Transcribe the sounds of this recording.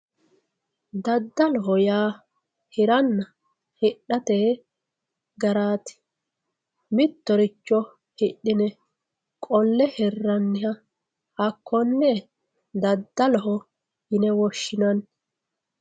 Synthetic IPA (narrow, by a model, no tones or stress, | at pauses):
d̪ɐd̪ːɐlɔɦɔjaː | hɪɾɐnːɐ | hɪɗːɐt̪eː | ɡɐɾaːt̪ɪ̥ | mɪt̪ːɔɾɪt͡ʃːɔ | hɪɗːɪnɛ | kʼɔlːɛhɛrːɐnːɪhɐ | hɐkʰːɔnːɛ | d̪ɐd̪ːɐlɔɦɔ | jɪnɛwɔʃːɪnɐn